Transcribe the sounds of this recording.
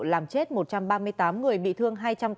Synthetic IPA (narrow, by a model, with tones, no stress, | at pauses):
laː˨˩mt͡ɕe˦˥t̚mo˨˩t̚t͡ɕa˧mɓaː˧mɨ˧əjt̪aː˨˦mŋɨ˨˩əjɓḭ˧˨t̪ʰɨ˧əŋɦaː˧jt͡ɕa˧m